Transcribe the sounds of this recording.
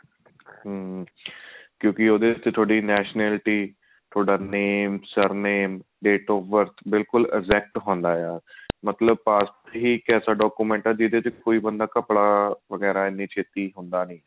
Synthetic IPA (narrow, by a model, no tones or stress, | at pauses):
ɦə | kjõːkɪoːd̪eːt̪ːet̪ʰoːɽiːnɛːʃnɛːlʈiː | t̪ʰoːɖaːneːmsəɾneːm | ɖeːʈɔːʋəɾt̪ʰbɪlkʊlɛ̰ɡzɛːk̚ʈɦõːnd̪aːjaːɾmət̪ləb̚paːspɦiːkɛːsaːɖɔːkuːmɛ̃ːɳʈãd̪iːd̪eːt̪ekoːiːbənd̪aːkəpɽaːʋəɡɛːɾaːɪnːiːt͡ʃʰeːt̪iːɦʊnd̪aːnəĩː